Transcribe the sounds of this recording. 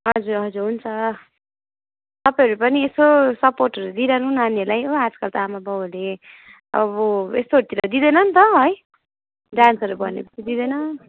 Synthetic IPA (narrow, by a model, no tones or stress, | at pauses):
ɦʌd͡zuɾɦʌd͡zuɾɦunt͡sʰʌ | t̪ʌpajɦʌɾupʌniesosʌporʈʌɾud̪iɾanũnanʌlajoad͡zkʌlt̪aamabʌwle | ʌ̰bʌḛst̪ot̪iɾʌd̪id̪ʌnʌnt̪ʌɦʌj | ɖansʌɾubʌnḛpʌ̥t͡sʰid̪id̪ʌjnʌ